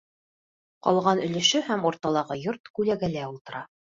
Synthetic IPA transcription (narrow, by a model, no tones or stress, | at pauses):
qɑ̰lˠʁɑnɵ̆lɘ̆ʃɵhæmuɾt̪ɑlˠɑʁɤjoɾt̪kʉlæɡælæulˠt̪ɤ̆ɾɑ